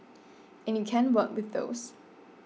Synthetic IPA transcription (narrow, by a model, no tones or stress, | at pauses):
ʔɛ̃njukʰɛ̃nwɜˑkwɪðo̰ʊs